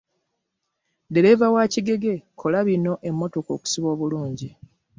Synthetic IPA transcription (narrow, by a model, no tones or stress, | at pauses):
de̞ɾe̞vawaːciɡe̞ɡe̞kʰo̞laβino̞ʔe̞mːo̞to̞ko̞̰ːku̥siβo̞ːβuluːɲɟi